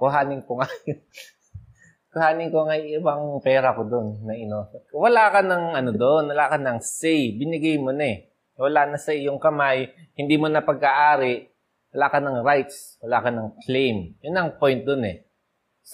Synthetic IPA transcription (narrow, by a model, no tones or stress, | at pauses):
kʊɦaːnɪŋkoŋaj | kʊhaːnɪŋkoŋajŋʔɪbaŋpɛːɾɐkod̪onːɐʔɪnoswɐlaːkɐnɐŋʔɐnod̪oʔonwɐlaːkɐnɐŋsɛjbɪnɪɡajmonɐɛ | wɐlaːnɐsɐʔɪjoŋkɐmaj | hɪnd̪iːmonɐpɐɡ̚aʔaːɾɪʔ | wɐlaːkɐnɐŋɾajt̪s | wɐlaːkɐnɐŋklejmjʊnːɐŋpojnt̪̚d̪onɛ | s